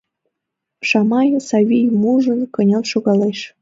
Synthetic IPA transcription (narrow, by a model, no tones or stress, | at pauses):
ʃɑmɑjsɑβʲijmuʒənkə̆nʲɑlʃoɣɑleʃ